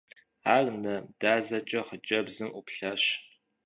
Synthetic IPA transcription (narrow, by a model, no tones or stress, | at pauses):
aːrnɐd̥aːzɐt͡ʃʼɐχət͡ʃʼɐbzɨmʔupɬɐɕ